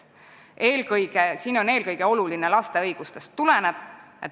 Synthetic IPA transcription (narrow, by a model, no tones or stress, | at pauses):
ʔeːlɡɤjɡesiːno̞ne̞ːlkɤjɡ̥e̞o̞luline̞lɑst̪e̞ɤjɡ̥ust̪e̞st̪ːule̞neb̥ | ḛt̪ː